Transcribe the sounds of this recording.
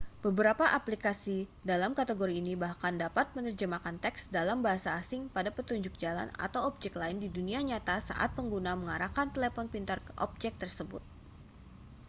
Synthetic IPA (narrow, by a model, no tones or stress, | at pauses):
b̥əbəɾapaʔaplikasidalamkat̪eɡoɾiːnibahkandapat̪̚mənərd͡ʒəmakant̪ɛksdalambaɦasaːsɪŋpadapət̪uɲd͡ʒʊk̚d͡ʒala̰na̰t̪awɔp̚d͡ʒɛklaɪndiduniaɲat̪asa̰ʔa̰t̪̚pəŋɡunaməŋaɾakant̪əlefɔnpint̪ərʔɔ̰p̚d͡ʒɛk̚t̪ərsəbʊ̰t̪̚